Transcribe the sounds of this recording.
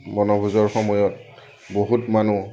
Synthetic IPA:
mɔnɔbʱuzɔɹxɔmɔjɔt | boɦutmanu

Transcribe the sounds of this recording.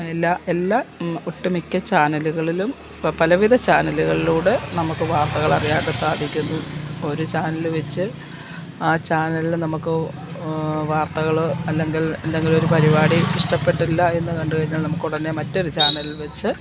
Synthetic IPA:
elːaːelːaːuʈːɐmikʲːɐt͡ɕaːnɐluɣɐɭilum | pɐlɐʋiðʱɐt͡ɕaːnɐluɣɐɭiluːɽenɐmukːɨʋaːrt̪ɐɣɐɭɐrijaːɳːɨsaːd̪ʱikʲːunːuo̞ɾut͡ɕaːnɐlʋet͡ɕːɨ | aːt͡ɕaːnɐlilnɐmukːɨ | ʋaːrt̪ɐɣɐɭoɐlːe̞ŋɡile̞̰nd̪eŋɡilo̞ɾupɐɾibaːɽiiʂʈɐpːe̞ʈːilːɐe̞nːɨkɐɳɖuɣɐɾiɲːaːɭnɐmukːuɽɐne̞mɐtːo̞ɾut͡ɕaːnɐlilʋet͡ɕːɨ

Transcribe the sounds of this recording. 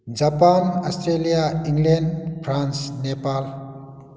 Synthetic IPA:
d͡ʒapanɔstʰɾelijaiŋlenpʰɾansnepal

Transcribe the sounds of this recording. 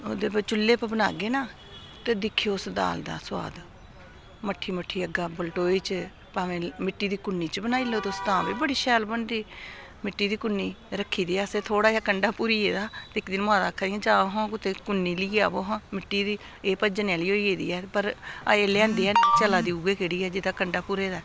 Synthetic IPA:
oːd̪eːbat͡ʃʊlːeːpəbəna̰ːɡeːnaː | t̪eːd̪ɪkʰːioʊsd̪a̰ːld̪a̰ːswa̰ːd̪ | məʈʰːiːməʈʰːiːəɡaːbəlʈoːiːt͡ʃ | paːʋẽːmɪʈːiːd̪iːkʊnːiːt͡ʃbənaːiːloːt̪eʊst̪ãːbiːbəɽiːʃɛːlbəɳd̪iː | mɪʈːiːd̪iːkʊnːiːɾəkʰːiːd̪iːɛseːt̪ʰoːɽaːjaːkəɳɖaːpuːɾiːeːd̪aːt̪eɪkd̪ɪnmãːd̪aːkʰːaiãːd͡ʒaːoɦãːkʊt̪eːkʊnːiːliːɡa̰ːboːɦãːmɪʈːiːd̪iː | eːpəd͡ʒnːaːliːoːieːd̪ḭːɛːpəɾaeːleə̃nd̪iːɛːt͡ʃəlaːd̪iːuɡeːkeɽiːɛːd͡ʒɪd̪aːkəɳɖaːpuːɾeːd̪aː

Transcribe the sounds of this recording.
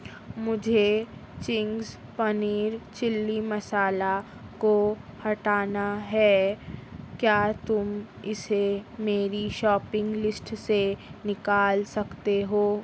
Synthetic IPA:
mʊd͡ʒʱet͡ʃɪ̃ŋɡs | pɐniːɾt͡ʃɪlːimɐsaːla | kohɐʈaːnaɦɛː | kjaːt̪ʊm | ɪsemeːɾiʃɔːpɪ̃ŋɡlɪsʈsenɪkaːlsɐkt̪eɦoː

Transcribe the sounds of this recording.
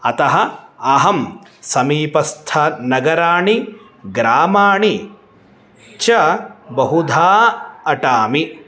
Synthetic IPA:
ɐt̪ɐɦɐɐɦɐmsɐmiːpɐst̪ʰɐnɐɡɐɾaːɳi | ɡɾaːmaːɳi | t͡ʃɐbɐɦud̪ʱaːɐʈaːmi

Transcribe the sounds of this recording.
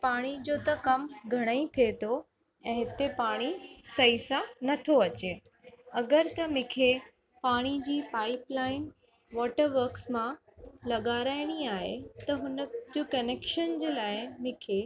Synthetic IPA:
paːɽ̃id͡ʑoːt̪ɐkɐmɡʱɐɽ̃əĩt̪ʰiet̪ʰo | ɛ̃ːɦɪt̪epaːɽ̃isɐisanɐt̪ʰoɐt͡ɕeː | ɐɡəɾt̪ɐmɪ̃kʰe | paːɽ̃id͡ʑiːpaːɪplaːɪn | ʋɔːʈəɾʋəɾksmãlɐɠaːɾaːɪɽ̃iaːɦḛt̪ɐɦʊnəd͡ʑokɐneːkʃənd͡ʑeːlaːɪmɪ̃kʰe

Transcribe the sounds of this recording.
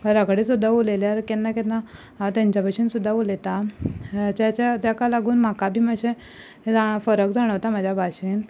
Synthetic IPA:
kaɾakɽisud̪ʱːaoleljaɾkennaket̪na | t̪jãɲt͡ɕapəʂiːnsud̪ʱːaolet̪a | t͡ɕjat͡ɕat̪jakalaɡuːnm̤akabʱiːmaɕe | d͡zafəɾək̚d͡zaɽ̃əʋt̪amad͡ʑʱjabʱaɕiːn

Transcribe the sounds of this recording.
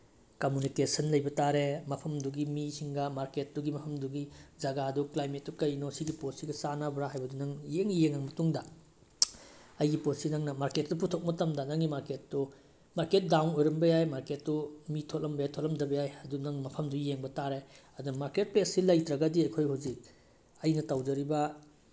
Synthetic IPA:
komjunikesɐnlɐjbɐtaɾemɐpʰɐmduɡimisʰiŋɡɐmaɾket̚duɡimɐpʰɐmduɡid͡ʒɐɡaduklajmet̚dukɐjnɔsiɡipossiɡɐsanabɾaɦajbɐdunɐŋjeŋjeŋɐŋmɐtuŋdɐ | ɐjɡiposinɐŋnɐmaɾket̚dup̬utʰok̚mɐtɐmdɐnɐŋɡimaɾketːu | maɾket̚dawnojɾɐmbɐjajmaɾket̚dumitʰotlɐmbɐjajtʰotlɐmdɐbɐjajɐdunɐŋmɐpʰɐmdujeŋbɐtaɾeɐdunmaɾket̚peɐsilɐjtɾɐɡɐdiɐjkʰojɦuwzik̚ | ɐjnɐtawd͡ʒɐɾibɐ

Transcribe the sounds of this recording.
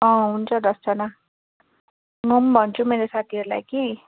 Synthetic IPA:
ʌ̃ɦunt͡sʰʌd̪ʌst͡sʌna | ŋumbʱʌnt͡sʰumeɾesat̪ʰiɦʌɾula̰jki

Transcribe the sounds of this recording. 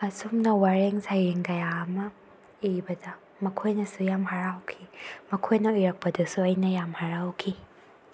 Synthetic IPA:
ɐsumnɐwaɾeŋsajɾiŋkɐjaːmɐ | ibɐdɐ | mɐkʰojnɐsujamɦaɾawkʰimɐkʰojnɐujɾɐk̚pɐdɐsuɐjnɐjamhaɾawkʰi

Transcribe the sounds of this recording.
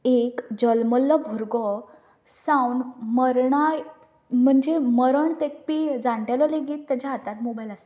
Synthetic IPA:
ekd͡ʑəlməlːɔbʱuɾɡɔ | sãwnməɾɳaj | m̤əɳd͡ʑeməɾəɳt̪ek̚pid͡zaɳʈalɔleɡiːt̪ːjat͡ɕaat̪at̪mobajlast̪ḁ

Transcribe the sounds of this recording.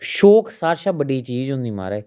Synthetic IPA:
ʃoːksaːɾʃaːbəɖiːt͡ʃiːd͡ʒɦʊ̃nd̪iːma̰ːɾeː

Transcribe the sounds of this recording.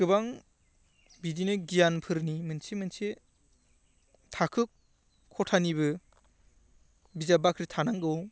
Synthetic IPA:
kɯbaŋ | bidinɯɡijanpʰɯɾnimɯnsʰemɯnsʰe | tʰakʰɯkʰː | ɔtʰanibɯ | bizabakʰɾitʰanaŋɡɯw

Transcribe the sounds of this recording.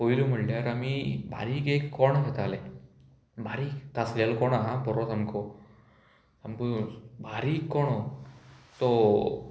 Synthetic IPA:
ɦoilum̤əɽljaɾamiba̰ɾiːkekːɔɳɦet̪ale | bʱaɾiːkːasɾjalkɔɳaɦãbɔɾɔt̪ʰamko | t̪amkubaɾiːkːɔɳ̃ɔ | t̪ɔ

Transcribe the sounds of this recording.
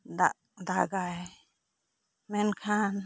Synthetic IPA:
d̪a | d̪aɡaj | menkʰan

